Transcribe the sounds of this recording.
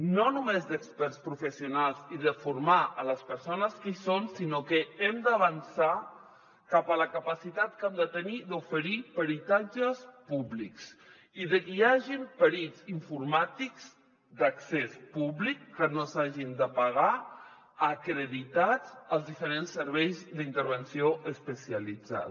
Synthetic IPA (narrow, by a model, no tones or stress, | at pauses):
nonumezd̪əkspɛɾspɾufəsiunalˠziðəfuɾmaələspəɾsonəskisonsinokəɛmd̪əβənsa | kapələkəpəsit̪at̪kamd̪ət̪ənid̪ufəɾipəɾit̪ad͡ʒəspubliks | iðəkiaʒimpəɾiziɱfuɾmat̪ikz̥ | d̪əksespuβlikːənosaʒind̪əpaɣa | əkɾəðit̪ad͡zəlˠzðifəɾensːəɾβɛjzd̪int̪əɾβənsioʔəspəsiəlid͡za̰